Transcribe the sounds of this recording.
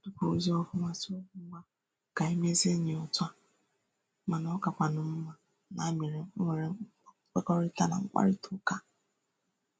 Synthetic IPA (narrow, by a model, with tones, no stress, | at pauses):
dʊ˦ko˨u˦zi˦ɔ˦fʊ˦ŋʷa˦so˦ma˦ | ka˨e˦m˦e˦ze˦ɲe˨ɔ˨ta˦ | ma˨nɔ˦ka˨kʷa˨nʊ˨m̩˦ma˨ | na˨˦mi˨ɾe˨ŋ̩˦ŋʷe˨ɾe˨˦k͡pe˦kɔ˦ɾɪ˦ta˦na̰˨ŋ̩˦k͡pa̰˦ɾɪ˦tu˦ka˦